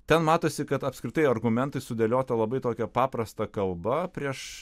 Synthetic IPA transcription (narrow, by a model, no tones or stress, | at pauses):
t̪ʲɛnmɑːt̪oːsʲɪkɐt̪ɐpskɾʲɪt̪ɐɪɐrɡʊmʲɛnt̪ɐɪsʊd̪ʲɛlʲoːt̪ɐlˠɐbɐɪt̪oːkʲɛpɑːpɾɐst̪ɐkɐlˠbɐpʲɾʲiɛʃ